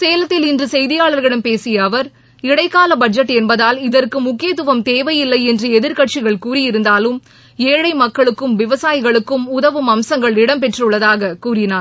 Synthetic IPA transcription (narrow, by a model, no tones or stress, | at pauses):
seːlɐt̪ːɪlɪndrɯsɛjðɪjaːɭɐɾɣɐɽɐmpeːsɪjɐːʋɐɾ | ɪɽɐɪkːaːlɐbɐd͡ʒɐʈːɛnbɐðaːlɪðɐrkɯmʊkːɪjɐt̪ːʊʋɐmt̪eːʋɐjɪlːɐɪɛndrɯɛðɪɾkɐʈ̚t͡ʃɪɣɐɭkuːrɪjɪɾɯnd̪aːlɯm | eːɻɐɪmɐkːɐɭɯkːɯmʋɪʋɐsaːjɪɣɐɭɯkːɯmʊðɐʋɯmɐmsɐŋɡɐɭɪɽɐmpɛʈrɯɭːɐðaːɣɐkuːrɪnaːɾ